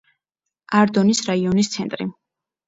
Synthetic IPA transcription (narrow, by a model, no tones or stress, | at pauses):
aɾd̪ɔnisɾaiɔnist̪sʰɛnt̪ʼɾḭ